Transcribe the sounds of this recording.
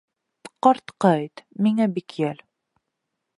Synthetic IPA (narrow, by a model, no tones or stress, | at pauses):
qɑɾt̪qɑjt̪miŋæbikjæl